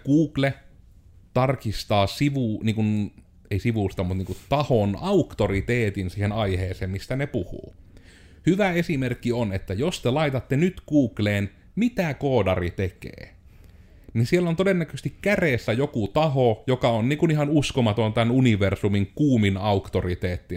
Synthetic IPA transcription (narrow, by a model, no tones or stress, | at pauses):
kuːkle | t̪ɑrkist̪ɑːsiʋuniːŋkun | eisiʋuˑst̪ɑmut̪niːŋkut̪t̪ɑhonɑukt̪orit̪eːt̪insiːhenɑiheːseːmmist̪ænepuhṵː | hyʋæesimerkːionet̪ːæjost̪elɑit̪ɑt̪ːenyt̪kuːkleːn | mit̪ækoːdɑrit̪ekḛː | nisielːont̪odenːækøst̪ikkæresːæjokut̪ɑhojokɑonniːŋkunihɑnuskomɑt̪ont̪ænuniʋersumiŋkuːminɑukt̪orit̪eːt̪ːi